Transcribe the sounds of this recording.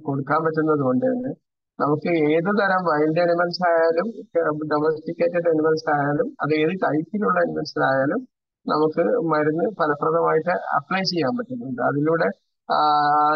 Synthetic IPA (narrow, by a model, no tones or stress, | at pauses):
ko̞ɽukːaːmpɐtːunːɐðuko̞ɳɖɨɳɖɨ | nɐmukːɨeːðɨt̪ɐɾɐmʋɐjlde̞ɐnumɐnɐsɐlaːjaːlumɖɐmɐstikʲːeːtːɐʈːɐnumɐnɐsɐlaːjaːlumɐðeeːðit̪ɐjkːiluɭːɐɐnumɐnɐsɐlaːjaːlum | nɐmukːɨmɐɾunːɨpɐlɐprɐðɐmaːjiʈːɨɐ̰plɐjt͡ɕe̞jːaːmpɐtːunːuɳɖɨɐ̰ðiluːɽe̞